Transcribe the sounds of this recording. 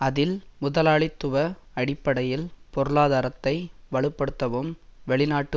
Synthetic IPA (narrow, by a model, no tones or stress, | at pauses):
ɐðɪlmʊðɐlaːɭɪt̪ːɯʋɐɐɽɪpːɐɽɐjɪlpɔɾɯɭaːðaːɾɐt̪ːɐɪʋɐɭɯpːɐɽɯt̪ːɐʋɯmʋɛɭɪnaːʈːɯ